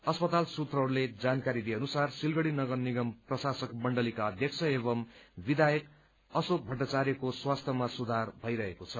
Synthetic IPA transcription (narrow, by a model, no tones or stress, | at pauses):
ʌspʌt̪alsut̪rʌɦɾuled͡zankaɾid̪ieʌnusarsilɡʌɽinʌɡʌrniɡʌmprʌsasʌkmʌɳɖʌlikaʌd̪ʱjʌk̚t͡sʰʌeβʌmbid̪ajʌk | ʌsok̚bʱʌʈːat͡saɾjʌkoswast̪ʰjʌmasud̪ʱarbʱʌjɾʌɦekot͡sʰʌ